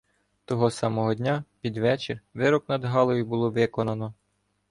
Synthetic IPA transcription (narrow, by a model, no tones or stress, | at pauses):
t̪ɔɦɔsɑmɔɦɔdʲnʲapʲid̪ʋɛt͡ʃɪrʋɪɾɔknɐd̪ɦɑlˠɔjʊbʊlˠɔʋɪkɔnɐnɔ